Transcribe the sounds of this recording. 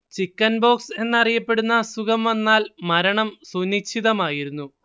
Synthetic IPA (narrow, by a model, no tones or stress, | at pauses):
t͡ɕikːɐnbo̞ːkse̞nːɐrijɐpːe̞ɽunːɐsukɐmʋɐnːaːlmɐɾɐɳɐmsunit͡ɕʰːiðɐmaːjiɾunːu